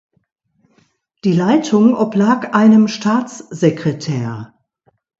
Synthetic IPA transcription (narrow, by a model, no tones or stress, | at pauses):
d̥iːlaɪtʰʊŋʔɔplaːkʔaɪnəmʃtʰaːt͡sz̥ekʁ̥etʰɛːɐ